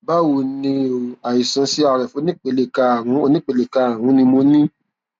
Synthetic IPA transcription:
ba˦wu˨nĩ˧˨a˨i˨sã˨˧˦si˦a˧˨ɾɛ˨fo˨˦nĩ˦k͡pe˧˨le˨ka˧˨wũ˨˦o˧nĩ˦k͡pe˧le˨ka˧˦a˨w̃ũ˨˦nĩ˧mo˧nĩ˦

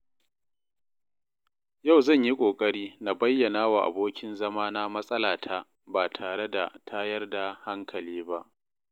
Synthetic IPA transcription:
ja˦˨wzɐ˦˨ɲji˦kʷʼoː˨kʼɐ˦ɽiː˦na˨bɐ˦jːɐ˨naː˦wa˨ʔa̰˨boː˦kʲɪ˦nzɐ˦maː˦na˦mɐ˦sʼɐ˦laː˨tʰa˦ | baː˨tʰaː˨ɽe˦da˨tʰaː˦jɐ˦rda˨ha˦ŋkʰɐ˨liː˦ba˦ʔ

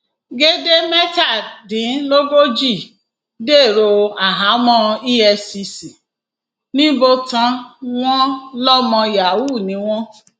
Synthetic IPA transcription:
ɡe˦de˦mɛ˦ta˦˨dĩ˨˦lo˦ɡo˦d͡ʒi˦˨ | de˦˨ɾo˧a˨ɦa˨˦mɔ̃˦˧i˦ɛ˧si˧si˨ | nĩ˦bo˧tã˧w̃ɔ̃˦lɔ˦mɔ̃˧ja˨wu˦˨nĩ˨˦w̃ɔ̃˦

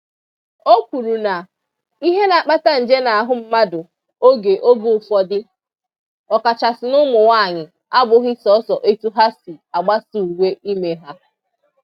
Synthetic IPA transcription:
o˦kʷu˨ɾu˨na˨ | i˦ɦe˦na˨k͡pa˦ta˦n̩˨d͡ʒe˦na˨a˨ɦʊ˦m̩˦ma˦dʊ˨ | o˦ɡe˨ʔo˦ɡu˦˨fɔ˦dɪ˦ | ɔ˨ka˨t͡ʃa˨sɪ˨nʊ˦mʊ˨wa˦˨ɲɪ˨ | a˦bʊ˨ɦɪ˦sɔ˨˦sɔ˨ʔe˦tu˦ɦa˦si˨a˨ɡ͡ba˦su˨u˨we˦ʔi˦me˨ɦa˦

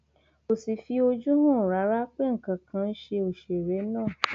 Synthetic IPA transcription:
o˨si˨fi˧o˧d͡ʒu˦nũ˦˨ɾa˨˦ɾa˦k͡pe˦ŋ̩˨kã˨kʰã˧˦n̩˦ʃe˧o˨ʃe˨ɾɛ˨˦nãː˦˨

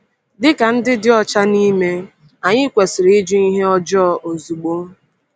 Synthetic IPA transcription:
dɪ˦ka˨n̩˦dɪ˦dɪ˦ɔ˦t͡ʃa˦ni˦me˦ | a˨ɲɪ˦kʷe˨sɪ˨ɾɪ˦d͡ʒu˦i˦ɦe˦ɔ˦d͡ʒɔ˦˨ʔo˨zu˨ɡ͡bo˦m̩˦

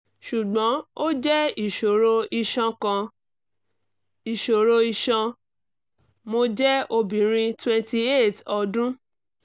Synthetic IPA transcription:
ʃu˨ɡ͡bɔ̃˨˦o˦d͡ʒɛ˦i˦˨ʃo˨ɾo˧i˧ʃã˧kã˧ | i˨ʃo˨ɾo˧i˧ʃã˧ | mo˧d͡ʒɛ˦o˧bĩ˨ɾ̃ĩ˧twɛ̃˧nti˧e˦˨tɔ˧dũ˦

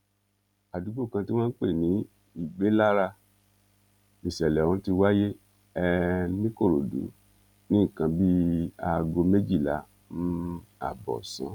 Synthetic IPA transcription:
a˨du˨˦ɡ͡bo˦˨kã˧ti˦w̃ã˦n̩˦k͡pe˦˨nĩ˨˦ | i˦˨ɡ͡be˨˦la˦ɾa˧ | i˨ʃɛ˨lɛ̃˨ɔ̃˧˦ti˧wa˦je˦ | ɛ˧nĩ˦ko˦˨ɾo˨dṵ˨˦ | nĩ˦˨kã˧bi˦a˧ɡo˧me˦d͡ʒi˦˨la̰˨˦ | nũ˦a̰˨bɔ̰˨sã̰˨˦

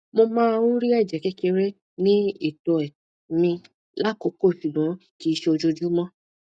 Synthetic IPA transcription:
mo˧mãː˦ũ˦ɾi˦ɛ˦˨d͡ʒɛ˨kɛ˦ke˧ɾɛ˦ | nĩ˦i˦˨tɔ˨ɛ˨ | mĩ˧ | la˦˨ko˨˦ko˦˨ʃu˨bɔ̃˨˦ki˨˦˧ʃe˦o˧d͡ʒo˧d͡ʒu˦mɔ̃˦

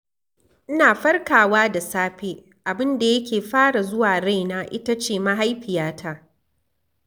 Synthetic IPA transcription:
ʔɪ˦naː˨ɸɐ˦rkaː˨waː˦da˨saː˦ɸeː˦ | ʔa˨bɪ˦nda˨jɐ˦kʲeː˨ɸaː˦ɽa˨zʊ˦waː˨ɽa˦jnaː˦ʔɪ̰˦ta˦t͡ʃeː˦˨ma˦ɦa˦jɸɪ˨jaː˦tʰa˦ʔ

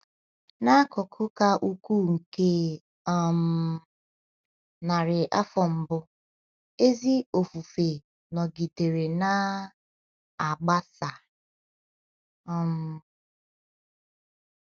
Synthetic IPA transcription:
na˦kʊ˨kʰʊ˦ka˦ʔu˦ku˦ŋ̩˨ke˦ | m̩˨˦ | na˨ɾɪ˨ʔa˦fɔ˨m̩˨bʊ˦ | e˦zi˦o˨fu˨fe˨ | nɔ˨ɡi˨te˨ɾe˨na˦ | a˨ɡ͡ba˦sa˨ | ɔ˦m̩˨˦

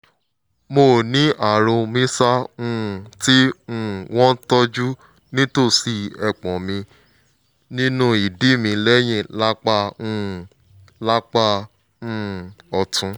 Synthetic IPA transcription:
mo˧˨nĩ˨˦ʔa˨ɾõ˧mĩ˦sa˦ũ˧˦˨ti˦ũ˧˦˨w̃ɔ̃˦tɔ˦d͡ʒu˦ | nĩ˦to˦˨si˧ɛ˧˨k͡pɔ̃˨mĩ˧ | nĩ˦nũ˦i˨di˨˦˨mĩ˧lɛ˦j̃ĩ˦˨la˦k͡pa˦˧ũ˦˨ | la˦k͡pa˦˨ | ũ˦˨ɔ˧tũ˨˧˦

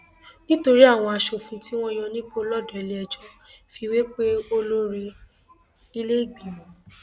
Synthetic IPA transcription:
nĩ˦to˧ɾi˦a˦˨w̃ɔ̃˧a˧ʃo˨fũ˧ti˦w̃ɔ̃˦jɔ̃˧nĩ˦k͡po˦lɔ˦˨dɔ˨ɛ˨li˦ɛ˧d͡ʒɔ˦ | fi˧we˦k͡pe˦o˦lo˦ɾi˧ | i˦˧le˦i˦˨ɡ͡bĩ˨mɔ̃˨

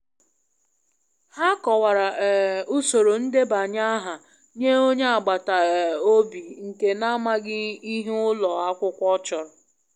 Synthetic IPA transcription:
ha˦kɔ˨wa˨ɾa˨ʔɛ˨ʊ˦so˨ɾo˨n̩˦de˦ba˨ɲa˦ɦa˨ | ɲe˦o˦ɲe˦a˨ɡ͡ba˨ta˨ɛ˨o˦bi˨ŋ̩˨ke˨na˦ma˦ɡɪ˦i˦ɦʊ˦lɔ˨a˦kʷʊ˦kʷɔ˦t͡ʃɔ˨ɾɔ˨

